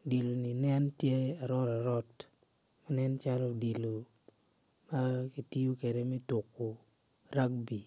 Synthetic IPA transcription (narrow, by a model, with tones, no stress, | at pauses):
di˨lo˨ni˨nɛ˦ntje˦a˨ɾɔ˦ɾa˨ɾɔ˦t | ma˦nɛ˦nt͡ʃa˦lɔ˦di˨lo˨ | ma˦ki˨ti˦o˦ke˨de˨mɛ˦tʊ˨kːo˨ | ɾa˦k̚bi˨